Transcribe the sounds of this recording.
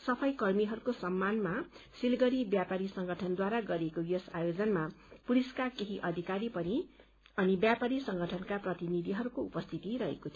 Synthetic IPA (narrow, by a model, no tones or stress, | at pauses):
sʌpʰʌjkʌrmiɦʌɾukosʌmːanmasilɡʌɾibjapaɾisʌŋɡʱʌʈʰʌnd̪waɾaɡʌɾekojʌsajod͡zʌnmapuliskakeɦiʔʌd̪ʱikaɾipʌni | ʌnibjapaɾisʌŋɡʱʌʈʰʌnkaprʌt̪inid̪ʱiɦʌɾukoupʌst̪ʰit̪iɾʌɦḛkot̪ʰijo